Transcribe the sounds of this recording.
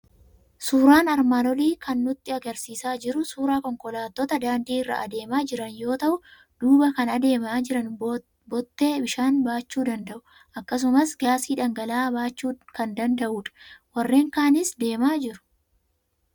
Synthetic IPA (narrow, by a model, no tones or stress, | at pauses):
suːɾaːnɐɾmaːnɔliːkɐnːʊt̪ːɪɐɡɐɾsiːsaːd͡ʒɪɾʊsuːɾaːkɔŋkɔlaːt̪ːɔt̪ɐd̪aːnd̪iːɪrːɐ̰ʔɐd̪e̞ːmaːd͡ʒɪɾɐnjo̞ːt̪ɐʔʊ | d̪̥uːbɐkɐnɐd̪e̞ːmaːɪɾɐn | bɔt̪ːe̞ːbɪʃaːnbaːt͡ʃːuːd̪ɐnd̪ɐʔʊ | ʔɐkːɐs̬ʊmɐsɡaːsiːᶑɐŋɡɐlaːbaːt͡ʃːuːkɐnd̪ɐnd̪ɐʔuːᶑɐ̥wɐrːe̞ːŋkaːnɪsd̪e̞ːmaːd͡ʒɪɾʊ̥